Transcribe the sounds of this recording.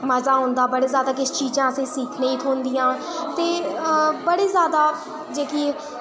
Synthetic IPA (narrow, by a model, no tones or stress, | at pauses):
məzaːɦõːnd̪aːbəɽeːzjaːd̪aːkɪst͡ʃiːzãːəsẽːsiːkʰnẽːiːt̪ʰoːnd̪ɪjãː | t̪eːbəɽeːzjaːd̪aː | d͡ʒeːki